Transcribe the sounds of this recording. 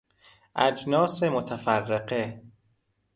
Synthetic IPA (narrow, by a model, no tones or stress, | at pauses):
ʔæd͡ʒnɒːsemot̪ʰæfærːeqe